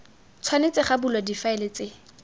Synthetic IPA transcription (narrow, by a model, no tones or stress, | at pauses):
t͡sʰwanet͡sɪχabulwadifaɛlɪt͡sɪ